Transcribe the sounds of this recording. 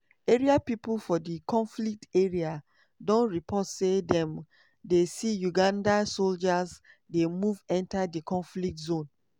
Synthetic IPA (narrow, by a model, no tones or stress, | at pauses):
eɹiapipulfɔdikɔ̃nflik̚teɹia | dɔ̃nɹipʰɔtsedɛ̃m | desijuɡãndasold͡ʒaz | demuvɛ̃ntadikʰɔ̃nflik̚tzõn